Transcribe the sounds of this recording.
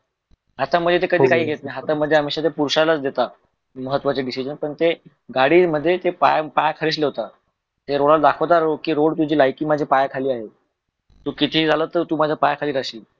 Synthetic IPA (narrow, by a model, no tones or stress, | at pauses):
ɦat̪aməd͡zʱet̪̬ekəd̪ʱiːkaɦiːɡʱet̪najɦat̪aməd̪ʱːjeamiɕat̪epuɾɕalat͡sd̪et̪a | məɦət̪ːʋat͡seɖisid͡ʑənpəɳt̪e | ɡaɽiːməd̪ʱːjet̪epajapajakʰəɾiːsleʋt̪a | t̪eɾoɽald̪akʰəwt̪aɾokiːɾoɽt̪ud͡ʑiːlajkiːmad͡ʑʱepajakʰaliːaɦe | t̪uːkit̪ʰiːd͡zʱaləːt̪ːəɾt̪uːmad͡zʱapajakʰaliːɾaɕiː